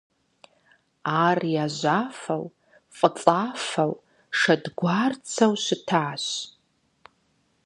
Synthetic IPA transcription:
arijaʒʷafaw | fʼət͡sʼafaw | ʂadɡʷart͡sʰawʃʷɨtʰaːʃʷ

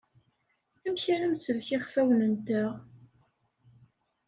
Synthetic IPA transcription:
æmçæɾæmsəlçɪχfæwnənt̪æ

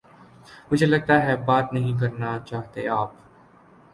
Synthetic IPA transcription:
mʊd͡ʒʱelɐɡ̚t̪aɦɛbaːt̪nɐɦĩk̬ɐɾnat͡ʃaːɦt̪eaːp

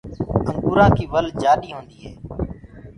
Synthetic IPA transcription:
ə̃ːɓʊɾãːkiːʋəld͡ʒaːɗiːɦõːnd̪iːɦɛː

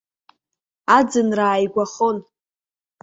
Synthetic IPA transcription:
ad͡zɨnraːjɡʷaχon

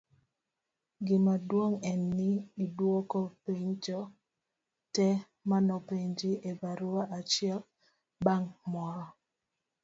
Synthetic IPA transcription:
ɡɪmadwoŋɛnːɪːdwokopeɲt͡ʃɔ | tɛ | manɔpeɲd͡ʒɪevaɾuwaʔat͡ʃɪɛl | baŋmɔɾɔ

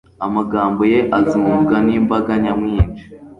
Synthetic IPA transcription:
amaɡaːmbo̞je̞ʔazimuɡaniːmbaɡaɲamŋiːnd͡ʒi

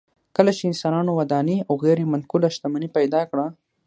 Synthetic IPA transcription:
kəlat͡ʃeɪnsɑnɑnowad̪ɑniawɣeɾemankulaʃt̪amanipajd̪ɑkɽa

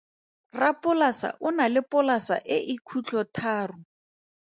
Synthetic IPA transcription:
rapʼʊlasa̰ʔʊnalɪpʊlasa̰ʔɪʔɪkʰut͡ɬʰɔtʰaːrʊ

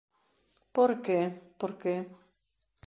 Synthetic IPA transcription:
poɾkepoɾke

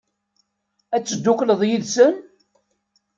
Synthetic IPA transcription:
æt͡sːəd̪ːukləðˤjiðsən

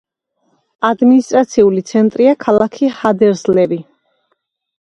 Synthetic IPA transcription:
ad̪minist̪ʼɾat̪sʰiulit̪sʰɛnt̪ʼɾiakʰalˠakʰihad̪ɛɾzlɛbi

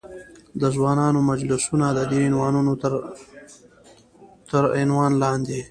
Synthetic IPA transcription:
d̪əzwɑːnɑnomad͡ʒlɪsunad̪əd̪eɪnwɑːnuno | t̪əɾɪnwɑnlɑnd̪e

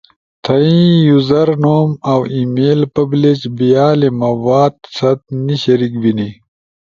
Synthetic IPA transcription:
t̪ʰɐĩjuzɐɾnoːmawimeːlpɐblet͡ʃbijaːlemɐwaːd̪sɐt̪̚niɕɐɾikbini

